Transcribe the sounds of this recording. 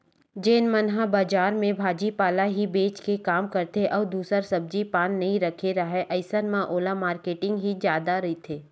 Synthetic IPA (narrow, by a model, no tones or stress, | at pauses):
d͡ʒeːnmɐnɦabaːd͡ʒaːɾmẽbʱaːd͡ʒipaːlaɦibeːt͡ʃkekaːmkɐɾt̪eʔɔːɾd̪uːsəɾsɐb̚d͡ʒipaːnːɐɦĩɾɐkʰeɾaɦɛʔɐɪsənmãʔoːlamaːɾkeːʈɪ̃ŋɡɦid͡ʒjaːd̪aɾɐɦit̪ʰeː